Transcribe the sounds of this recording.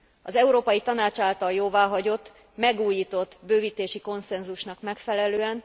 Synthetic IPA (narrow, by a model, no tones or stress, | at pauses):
ɒzɛuɾoːpɒjit̪ɒnaːt͡ʃaːlt̪ɒljoːvaːɦɒɟo̞t̪ː | mɛɡuːjiːt̪o̞t̪ːbøːviːt̪eːʃiko̞nsɛnzuʃnɒkmɛkfɛlɛløːɛn